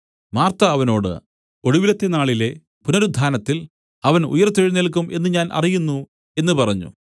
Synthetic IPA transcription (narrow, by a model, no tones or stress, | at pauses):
maːrt̪ɐːʋɐno̞ːɽɨ̰ | o̞ɽuʋilɐt̪ːe̞naːɭile̞ | punɐɾud̪ʱaːnɐt̪ːil | ɐʋɐnṵjɐrt̪eɻinːelk̬ːumʔe̞nːɨɲaːnʔɐ̰rijunːu | e̞nːɨpɐrɐɲːṵ